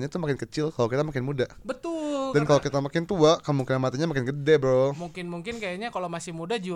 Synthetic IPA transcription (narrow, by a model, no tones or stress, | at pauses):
ɲat̪ʊmakɪnkət͡ʃɪlkalokit̪amakɪnmudabət̪ʊldankalokit̪amakɪnt̪uaʔkəmuŋkinamat̪iɲamakɪnɡədɛbɾomuŋkɪnmuŋkɪnkajaɲakalomasɪhmudad͡ʒu